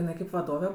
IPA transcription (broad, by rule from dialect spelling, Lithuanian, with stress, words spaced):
ɪˈnɐɪ kɐɪp ʋɐˈdoːʋʲɛ